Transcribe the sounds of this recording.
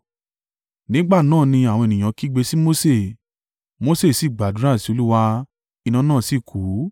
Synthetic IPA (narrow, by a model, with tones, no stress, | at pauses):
nĩ˨˦ɡ͡ba˦˨nãː˦˨nĩ˧a˨w̃ɔ̃˧e˨nĩ˨j̃ã˨˦ki˦ɡ͡be˧si˦mo˦se˦˨ | mo˦se˦˨si˨˦˨ɡ͡ba˨du˨ɾa˦˨si˧˦o˧lu˦wa˧ | i˧nã˧˦nãː˦˨si˦˨kʰu˨˦